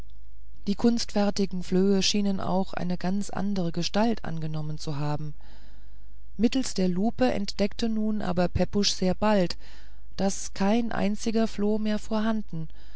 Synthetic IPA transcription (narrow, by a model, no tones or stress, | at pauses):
d̥iːkʰʊnstfɛɐtɪɡŋ̩fløːəʃiːnənʔa̰ʊxʔa̰ɪnəɡa̰nt͡sʔa̰ndəʁ̞əɡəʃtaltʰʔa̰nɡənɔmənt͡suɦaːbm̩ | mɪtl̩sd̥eːɐluːpəʔɛ̰ntd̥ɛktənuːnʔa̰ːbɐpʰɛpʊʃz̥eːɐbalt | d̥askʰaɪnʔa̰ɪnt͡sɪɡɐfloːmeːɐfoːɐɦandn̩